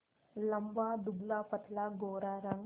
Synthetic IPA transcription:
ləmbad̪uɡlapət̪laɡoːɾaɾəŋ

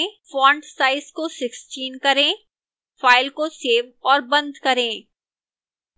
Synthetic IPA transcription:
fɔ̃ːɳɖsaːɪskosɪksʈiːnkɐɾẽ | faːɪlkoseːʋɔːɾbɐ̃nd̪ʱkɐɾẽː

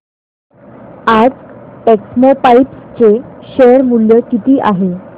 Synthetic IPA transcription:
ad͡zʈeksmopaipst͡ɕeɕeɾmuɭjəkit̪iːʔaɦe

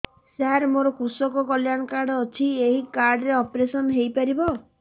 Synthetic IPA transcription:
seaaɾmoɾɔkusɔkɔkɔljanɔkaɾɖɔɔt͡ʃʰieɦikaɾɖɾeɔpɾesɔnɦejpaɾibɔ

